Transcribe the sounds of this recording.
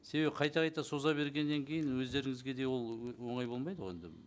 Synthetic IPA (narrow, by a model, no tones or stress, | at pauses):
se̞βe̞bɪqʰɑjt̪ɑʁɑjt̪ɑso̞zɑbe̞ɾɡʲe̞nːe̞ŋkʲʰe̞jɪnwɵzd̪e̞ɾɪŋɪzɡʲe̞d̪e̞wo̞lˠwo̞ɴɑjbo̞lˠmɑjd̪əʁe̞̰nd̪ɪ